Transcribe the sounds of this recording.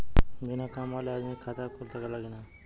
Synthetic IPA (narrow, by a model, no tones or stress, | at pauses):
bʱinakamalead̪mikʰat̪akʰolt̪ʰakalaɡina